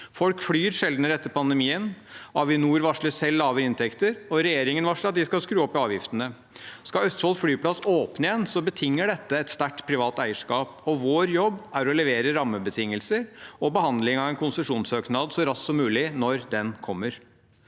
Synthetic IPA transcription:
fɔlkflyːɾʂɛld̪nəɾɛt̪ːəɾpʰɑnd̪əmiːənɑʋɪnuːɾʋɑʂɭəsɛlːɑːʋəɾɪnt̪ʰɛkt̪əɾɔɾɛjeːɾɪŋənʋɑʂɭəɑt̪̚d̪ɪskɑlskɾʉːɔpːɪɑːʋjɪft̪ənə | skɑœst̪fɔlsflyːpʰlɑsoːpnɪənsɔbət̪ʰɪŋːəɖɛt̪ːəɛt̪st̪æʈpʰɾɪʋɑːt̪æɪəʂkɑːpɔʋoːɾjɔbːæɾɔlɛʋeːɾəɾɑmːəbət̪ʰɪŋːəlsəɾɔbəhɑnd̪lɪŋɑʋɛnkʰʊnsəʂuːnsøːknɑd̪sɔɾɑssɔmːʉːlɪnɔɾd̪ɛnkʰɔmːəɾ

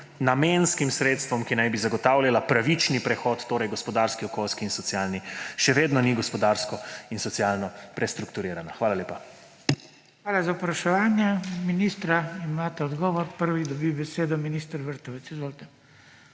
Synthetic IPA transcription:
namenskimsɾeːt̪st̪ʋɔmkinajbizaɡɔt̪aːwlʲalapɾaʋit͡ʃnipɾɛxɔt̪ːoːɾɛjɡɔspɔd̪aɾskiɔkolskiːnsɔt̪sjaːlniʃɛʋeːd̪nɔniɡɔspɔd̪aɾskɔinsɔtsjalnɔpɾɛst̪ɾukt̪uɾeːɾanaxʋaːlaleːpa | xʋaːlazawpɾɐʃɛʋaːnjɛminist̪ɾaimaːt̪ɛɔd̪ɡɔːʋɔɾpəɾʋid̪ɔbibɛseːd̪ɔminist̪əɾʋəɾt̪ɔʋɛt̪sizʋoːlt̪ɛ

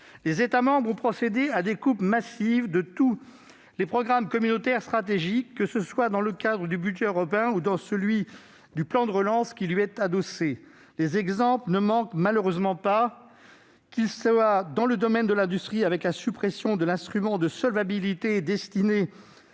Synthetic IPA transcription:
lezet̪amɑ̃bʁɔ̃pχɔsed̪ead̪ekupmasivd̪ət̪u | lepχɔɡʁamkɔmynot̪ɛʁst̪χat̪eʒikːəsəswad̪ɑ̃ləkad̪ʁəd̪ybyd͡ʒɛøʁɔpeɛ̃ud̪ɑ̃səlɥi | d̪yplɑ̃d̪əʁəlɑ̃skʲilɥiɛt̪ad̪ɔse | lezɛɡzɑ̃plnəmɑ̃kmaløʁøzmɑ̃pa | kʲilsad̪ɑ̃ləd̪ɔmɛnd̪əlɛ̃d̪yst̪χiavɛklasypχesjɔ̃d̪əlɛ̃st̪χymɑ̃d̪əsɔlvabilit̪ed̪ɛst̪ine

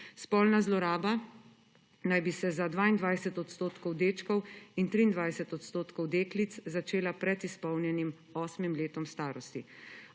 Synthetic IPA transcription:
spɔːlnazlɔɾaːba | najbisɛzad̪ʋaːind̪ʋajsɛt̪ɔt̪st̪oːt̪kɔwd̪eːt͡ʃkɔwint̪ɾiːnd̪ʋajsɛt̪ɔt̪st̪oːt̪kɔwd̪eːklit̪szat͡ʃeːlapɾɛt̪ispɔwnjɛnim | ɔːsmimleːt̪ɔmst̪aːɾɔst̪i

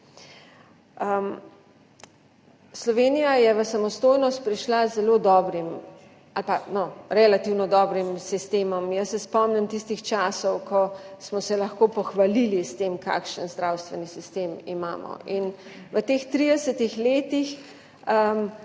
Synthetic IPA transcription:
əm | slɔʋeːnijajɛʋəsamɔst̪oːjnɔst̪̚pɾiʃlazɛloːd̪ɔːbɾim | alpanɔɾɛlat̪iwnɔd̪ɔːbɾimsist̪eːmɔmjəsːɛspɔmnɛmt̪ist̪ixt͡ʃaːsɔwkʰɔsmɔsɛlɐxkopɔxʋalilist̪emka̰ːkʃənzd̪ɾawst̪ʋɛnisist̪eːmima̰ːmɔ̰ʔin | ʋət̪eːxt̪ɾid̪ɛsɛt̪ixleːt̪ix | əm

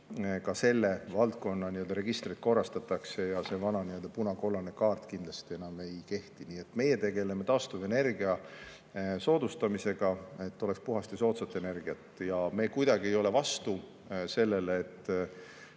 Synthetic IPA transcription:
kɑse̞lːe̞vɑlt̪ko̞nːɑniøld̪ɑɾe̞ɡ̥ist̪rit̪ko̞rɑst̪ɑt̪ːˑɑkse̞jɑse̞vɑnɑniøld̪ɑpunɑko̞lːɑne̞kɑːrt̪kind̪lɑst̪ie̞nɑme̞jke̞ht̪iniːe̞t̪ːme̞je̞t̪e̞ɡ̥e̞le̞me̞t̪ɑːst̪uve̞ne̞rɡiɑ | so̞ːd̪̥ust̪ɑmise̞ɡ̥ɑe̞t̪ːo̞le̞kspuɦɑst̪iso̞ːt̪sɑt̪ːˑe̞ne̞rɡ̥iɑt̪ːˑjɑme̞ːkujd̪̥ɑɡ̥ie̞jo̞le̞vɑst̪u | se̞lːe̞leːt̪ː

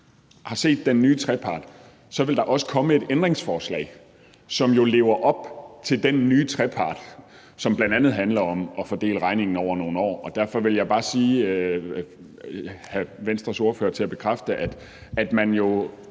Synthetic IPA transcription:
hɑ̈se̝̰ːd̥ːenːyːt͡sʰʁɛpʰɑ̰̈ːd̥ | sɒ̽ʋe̝ld̥ɑ̈ʔɒ̽sə̥kʰɒ̽məe̝d̥end̥ʁeŋsfɒːslɛ̰ɪ̰ | sɒ̽mjo̝le̝ːʊɐʔɒ̽b̥t͡sʰe̝ld̥ennyːt͡sʰʁɛpʰɑ̈ːd̥ | sɒ̽mb̥lænd̥ænð̞̩ˠɦænlɐɒ̽mʔɒ̽fɒd̥e̝̰ːləʁɑ̈ɪne̝ŋn̩ɒʊ̰ɐno̝ːn̩ɒ̰ːɒ̽d̥æɐ̰fɒ̽ʋe̝ljɑ̈ɪb̥ɑ̈ːsiː | hæʋensd̥ʁɐso̝ɐfø̰ːɐt͡sʰe̝læb̥e̝kʰʁafd̥əʔæd̥ | æd̥mænjo̝

